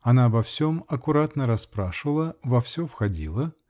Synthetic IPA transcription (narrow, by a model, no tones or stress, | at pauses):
ɐnabɐfsʲomɐkʊɾat̪nəɾɐspɾaʂɨvəlˠəvɐfsʲofxɐdʲilˠə